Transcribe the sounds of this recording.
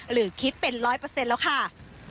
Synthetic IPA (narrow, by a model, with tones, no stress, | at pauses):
ɾɯː˩˦kʰi˦˥t̪̚pe˧nɾɔː˦˥jpɤː˧se˧nlɛː˦˥wkʰa˥˩